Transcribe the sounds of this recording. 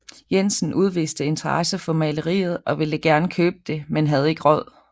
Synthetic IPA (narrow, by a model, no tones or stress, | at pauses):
jensn̩ʔuð̞ˠʋḭːsd̥əe̝nt͡sʰɐʁɑsəfɒ̽mæɪləʁḭːð̞̩ˠɒ̽ʋe̝ləɡ̥æɐnkʰøːb̥̚əd̥e̝menɦæð̞ˠe̝ɡ̥əʁɒð̰ˠ